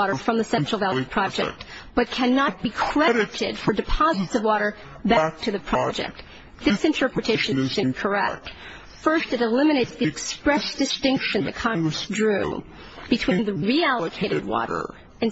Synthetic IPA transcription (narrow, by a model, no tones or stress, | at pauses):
ɔɾə˞fɹʌ̃mðɨsɛ̃nt͡ʃɹ̥l̩ˠvælˠpʰɹ̥ɑd͡ʒɛ̰k̚t̚b̥ʌt̚kʰɨ̃nət̚b̥ikʰɹ̥ɛɾɨɾɪd̥fə˞dɨpʰɑzɨtsʌvwɔɾə˞ | bæk̚tʰɨðɨpʰɹ̥ɑd͡ʒɛ̰k̚t̪̚ | ðɪsɨ̃ntʰɜ˞pɹɨtʰeɪʃɨ̃nʃɨ̃nkʰə˞ɛ̰k̚t | fɜ˞stɨɾəlɪ̃mɨneɪtsðikspɹɛsd̥ɨstɪ̃ŋkʃɨ̃n̩ðɨkʰɑ̃ŋɡɹɨsdɹʉ̰ | b̥ɨtʰw̥ĩnðɨɹiælˠəkʰeɪɾɨd̚wɔ̰ɾə̰˞ | ɨ̃n